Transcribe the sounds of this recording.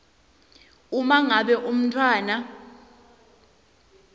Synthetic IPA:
umaŋaɓɛʔum̩tʰʼwaːna

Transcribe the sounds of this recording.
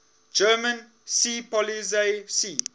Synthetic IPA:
d͡ʒɜːmə̃n | sipɔlizesiː

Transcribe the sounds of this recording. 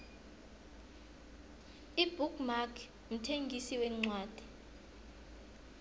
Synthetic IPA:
ibʱukmakʰ | m̩tʰeŋɡʱisiwɛŋ͡ǀwaːd̥ʱi̥

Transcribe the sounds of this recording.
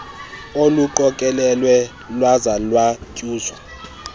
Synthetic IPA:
oluǃɔkʼɛlɛlwɛ | lwazalwacʼuːswa

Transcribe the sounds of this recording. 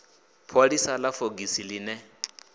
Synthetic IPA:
pʰolisalafoɡisilinɛ

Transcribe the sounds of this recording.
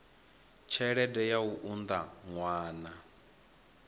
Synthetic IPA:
t͡ʃʰɛɺɛdɛjauʔund̪aŋwaːna

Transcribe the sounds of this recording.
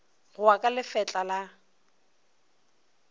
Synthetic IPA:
ɣʊakʼalɪfɛt͡ɬʼala

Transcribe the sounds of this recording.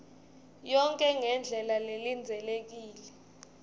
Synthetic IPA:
jɔŋkʼɛŋɛnd͡ɮʱɛlalelind͡zʱɛlek̬iːlɛ

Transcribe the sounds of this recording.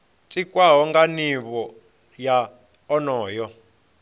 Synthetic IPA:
t͡sʼikʼwaɦɔŋɡaniβɔ | ja | ɔnɔːjɔ

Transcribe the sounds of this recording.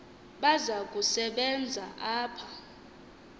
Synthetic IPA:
ɓazakʼusɛɓɛnd͡zʱaʔaːpʰḁ

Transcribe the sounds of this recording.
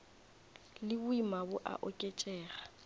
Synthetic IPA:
lɪbʊimabʊʔa̰ʔɔkʼet͡ʃʼɛːɣa

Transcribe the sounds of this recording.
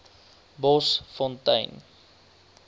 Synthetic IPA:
bɔsfɔ̃ntə̰jn

